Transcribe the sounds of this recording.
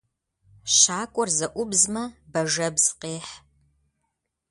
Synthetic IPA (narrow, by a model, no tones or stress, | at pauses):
ʃaːkʷʼɔrzɐʔʷʊbzmɐbɐʒɐbz̥qeːħ